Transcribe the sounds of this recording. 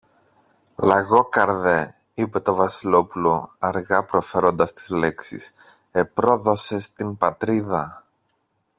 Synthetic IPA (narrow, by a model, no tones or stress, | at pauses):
lɐɣo̞kɐɾðe̞ | ipe̞t̪o̞vɐsilo̞pulo̞ɐɾɣɐpɾo̞fe̞ɾo̞nd̪ɐst̪i̥zle̞ksḭs | e̞pɾo̞ðo̞se̞st̪imbɐt̪ɾiðɐ